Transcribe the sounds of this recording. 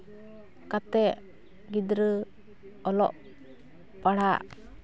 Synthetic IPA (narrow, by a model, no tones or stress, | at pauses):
kat̪ɛʔ | ɡid̪ɾə | ɔlɔ̰ʔ | paɽaʔ